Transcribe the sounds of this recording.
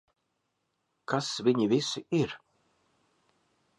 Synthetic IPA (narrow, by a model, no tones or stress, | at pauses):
kasviɲivisiiɾ